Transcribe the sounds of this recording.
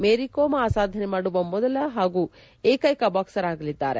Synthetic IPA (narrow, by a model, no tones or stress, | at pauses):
meːɾikoːmɐaːsaːd̪ʱɐnemaːɽuʋɐmɔd̪ɐlɐɦaːɡu | eːkɐjkɐbaːksɐɾaːɡɐlid̪ːa̰ːɾḛ